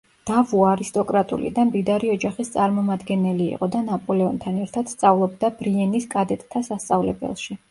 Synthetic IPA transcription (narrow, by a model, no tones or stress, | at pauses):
d̪̥avuaɾist̪ʼɔkʼɾat̪ʼṵlḭd̪amd̪id̪aɾiɔd͡ʒaχist̪sʼaɾmɔmad̪ɡɛnɛlḭːqʼɔd̪anapʼɔlɛɔnt̪ʰanɛɾt̪ʰad̪̥st̪sʼavlˠɔbd̪abɾiɛniskʼad̪ɛt̪ʼt̪ʰːasast̪sʼavlɛbɛ̰lˠʃi